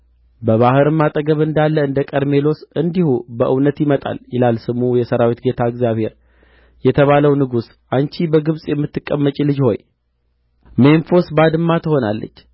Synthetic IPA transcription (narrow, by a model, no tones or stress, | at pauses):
bəβahɨɾɨmːat̪ʼəɡəβɨnd̪alːəɨnd̪əkʼəd̪me̞lo̞sɨnd̪ihubəʔɨwnət̪jɪmət̪ʼa̰ljɪlalsɨmujɛsəɾawit̪ɡe̞t̪ʰaɨɡzjaβhe̞ɾ | jɛt̪ʰəβaləwnɨɡus | ʔant͡ʃʰibəɡɨβsʼjɛmːɨt̪ːɨkʼːəmːət͡ʃʼilɨd͡ʒho̞̰j | me̞nfo̞sbad̪ɨmːat̪ʰəho̞na̰lːə̰t͡ʃː